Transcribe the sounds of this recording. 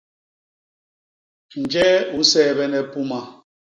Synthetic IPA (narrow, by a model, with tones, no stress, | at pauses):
n̩˨d͡ʒɛ˦u˨n̩˦sɛː˦˨bɛ˦nɛ˦pu˦ma˨